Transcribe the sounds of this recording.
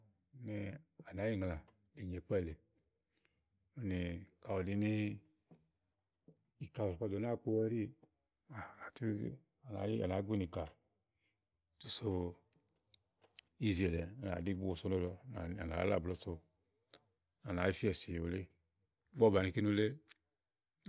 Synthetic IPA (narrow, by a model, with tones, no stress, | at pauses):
ni˨˧a˨na˨˦ji˦ŋ˨la˨ | i˨ɲe˨k͡pɛ˦˨le˨ | u˦ni˨ka˨wo˨di˨˧ni˦ | i˨ka˨o˨sa˧˨do˨na˦k͡po˧wɛ˦ɾi˦ | a˨na˨tu˦ | a˨na˨˦a̰˨na˨˦ɡi˦ni˨ka˨ | tu˦so˦˧ | i˦˨ze˨lɛ˨a˨na̰˨di˦ɡ͡bo˨so˧˦no˦dɔ˨a˨na˨a̰˦la̰˦˨blo˦so˧ | a˨na˨˦i˦fi˦ɛ˨si˨jo˨le˦ | bɔ˦˨ba˨ni˨ki˦nu˧˦le˦